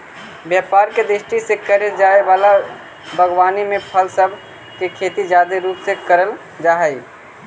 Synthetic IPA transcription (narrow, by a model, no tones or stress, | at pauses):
bjəːpaːɾked̪ɾɪʃʈisekəɾed͡ʒaːeʋaːla | bʱəɡwaːnimẽpʰəlsəbʱ | kekʰeːt̪id͡ʒaːd̪eɾuːpsekəɾəl | d͡ʒaːɦəi